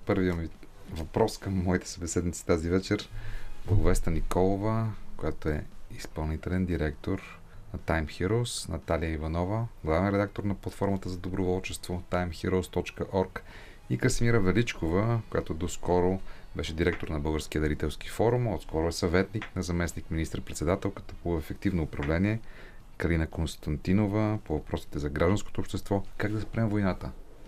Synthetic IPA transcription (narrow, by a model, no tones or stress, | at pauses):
pɤɾviəmivɐpɾɔskɐmːɔit̪ɛ̥sɐbɛsɛd̪nit̪si̥t̪azivɛt͡ʃɛɾblˠəɡʊvɛst̪ənikɔlˠovəkojat̪oɛispɐlˠnit̪ɛlɛnd̪iɾɛkt̪oɾ | nɐt̪ajmxiɾosnɐt̪alijəivɐnɔvəɡlˠavɛnɾɛd̪ak̚t̪oɾnɐplˠɐt̪fɔɾmət̪əzɐd̪obɾʊvɔlˠt͡ʃɛst̪vot̪ajmxiɾoʊst̪ɔt͡ʃkəʔɔɾk | ikəsmiɾəvɛlit͡ʃkovəkojat̪od̪oskɔɾobɛʃɛd̪iɾɛk̚t̪oɾnɐbɤlˠɡəɾskiəd̪ɐɾit̪ɛlˠskifɔɾumɔt̪skɔɾoɛsɐvɛt̪niknɐzɐmɛsnikminist̪ɾpɾɛt̪sɛd̪at̪ɛlˠkə̥t̪ə̥poɛfɛkt̪ivnoːpɾɐvlɛniɛkɐlinəkonst̪ɐnt̪inovəpovɐpɾɔsi̥t̪ɛzɐɡɾaʒd̪ɐnsko̥t̪oːpʃt̪ɛst̪vɔkaɡd̪ɐspɾɛmvojnat̪ə